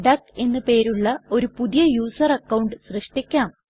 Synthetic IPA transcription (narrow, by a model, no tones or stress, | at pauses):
ɖɐke̞nːɨpe̞ːɾuɭːɐo̞ɾupuðijɐjuːsɐrɐkːɐwɳɖɨɕrɨʂʈikʲːaːm